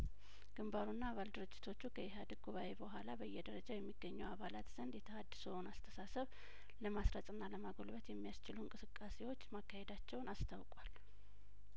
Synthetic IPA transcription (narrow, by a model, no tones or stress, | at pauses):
ɡ̥ɨmbaɾunːaːβald̪ɨɾɨd͡ʒːɪ̥t̪ʰo̞t͡ʃːukʰəjɪɦad̪ɨɡ̚ɡuβaʔebəɦʷalabəjːɛd̪əɾəd͡ʒawjɛmːiɡːəɲːɛwaβalat̪z̥ənd̪jɛt̪ʰəhad̪ːɨsənast̪ʰə̥sasəβ | ləmasɾəsʼɨnːaləmaɡo̞lβət̪jɛmːijast͡ʃɪlunkʼɨsɨkʼːase̞wo̞t͡ʃːmakːahe̞d̪at͡ʃːɛwnast̪ʰawkʼwal